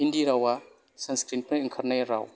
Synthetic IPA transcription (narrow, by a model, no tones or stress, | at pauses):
ɦindiɾawa | sɐnskɾinpaiŋkʰɐɾnajɾa̰w